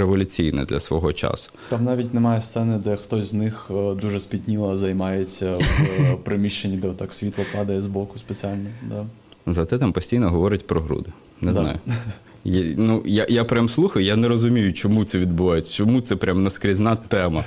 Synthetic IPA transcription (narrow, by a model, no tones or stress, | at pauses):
ɾeʋɔlʲʊt͡sʲijnɛ̰d̪lʲɐ̰sʋɔɦɔt͡ʃa̰sʊ̥t̪ɑmnɑʋʲitʲnemɑjɛst̪sɛnɪd̪ɛxt̪ɔsʲznɪxd̪uʒɛspʲit̪ʲnʲilˠɐzɐjmɑjet͡sʲːɐpɾɪmʲiʃt͡ʃenʲːid̪ɛt̪ɑksʲʋʲit̪lˠɐpɑd̪ɐjɛzblɔkʊspet͡sʲialʲnɔd̪a | zɐt̪ɛt̪ampɔsʲtʲijnɔɦɔʋɔɾɪtʲpɾɔɦɾṵd̪ɪ | nɛzna̰jʊ | jnujajapɾʲamslˠuxɐjʊjanɛɾɔzʊmʲijʊt͡ʃɔmut̪sɛʋʲid̪̚bʊʋajet͡sʲːɐ̥t͡ʃɔmut̪sɛpɾʲʔamnɐskɾʲiznɑt̪ɛmɐ